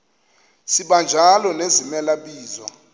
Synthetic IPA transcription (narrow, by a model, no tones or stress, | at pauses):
siɓand͡ʒʱalɔnezimɛlaɓiːzɔ̰